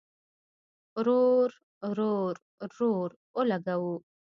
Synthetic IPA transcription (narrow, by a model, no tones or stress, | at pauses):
ɾoɾ | ɾoɾ | ɾoɾ | wəlaɡawu